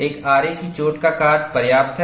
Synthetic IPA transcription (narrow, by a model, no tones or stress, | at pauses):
eːkaːɾekit͡ʃoːʈkakaːd͡ʒpɐɾjaːp̚t̪ʰɦ